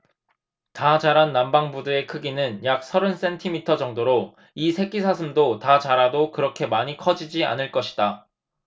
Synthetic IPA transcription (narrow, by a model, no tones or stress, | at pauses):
tad͡ʑaɾanːambaŋbudɯɾe̞kʰɯɡinɯnjak̚sʰʌɾɯns͈e̞ntʰimitʰʌd͡ʑʌŋdoɾo | isʰe̞ɡisʰasʰɯmdotat͡ɕaɾadokɯɾʌkʰe̞maɲikʰʌd͡ʑid͡ʑia̰nɯɭk͈ʌɕʰi̥da